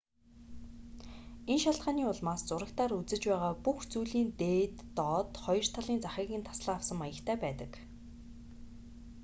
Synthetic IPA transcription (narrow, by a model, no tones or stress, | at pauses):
enʃaɬt̪ɢaːniːʊɮmaːst͡sʊɾə̆k̚t̪ʰaːɾut͡sɘ̆t͡ɕpæːʁaːpuxt͡sujɮiːnt̪eːt̪ːɔt̪χɔjɞ̆r̥t̪ʰaɮiːnt͡saχiːɣʲĭːnt̪ʰḁsɮăːawsə̆majə̆kt̪ʰæːpæːt̪ə̆k